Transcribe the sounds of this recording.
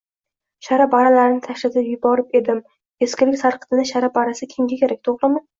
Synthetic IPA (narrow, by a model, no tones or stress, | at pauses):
ʃaɾapbaɾalaɾɪnɪt̪ʰaʃlat̪ʰɪpjʊbɒɾɪpe̞d̪ɪm | e̞skʲɪlɪkʲsaɾqɨ̥t̪ʰɪnɪʃaɾapːaɾasɪkʲʰɪmɡʲakʲʰe̞ɾak̚ʲt̪ʰoχlˠɪmɪ